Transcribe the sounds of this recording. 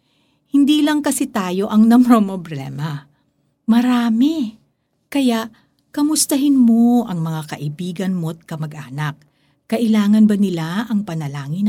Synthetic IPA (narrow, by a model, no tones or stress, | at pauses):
hɪnd̪iːlɐŋkɐsɛt̪aːjo̞ʔɐŋnɐmpɾomoblɛ̰mɐ | mɐɾaːmɛ | kɐjaʔ | kɐmʊst̪ɐɦɪnmo̞ʔɐŋmɐŋakɐʔɪbiːɡɐnmot̪̚kɐmɐɡʔaːnɐk̚ | kɐʔɪlaːŋɐnbɐnɪlaʔɐŋpɐnɐlaːŋɪn